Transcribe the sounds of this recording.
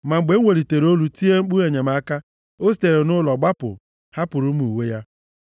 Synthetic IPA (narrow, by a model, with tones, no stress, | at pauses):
ma˨ŋ͡m̩˨ɡ͡be˨˦ŋʷe˨ɾi˨te˨ɾo˦lu˨ti˦e˦ŋ͡m̩˦k͡pu˦e˨ɲe˨ma˨˦ka˦ | o˦si̥˨te˨ɾe˨nʊ˦lɔ˨ɡ͡ba˦pʊ̰˨ | ha˦pʊ˨ɾʊ˦m˦u˨we˦ja˦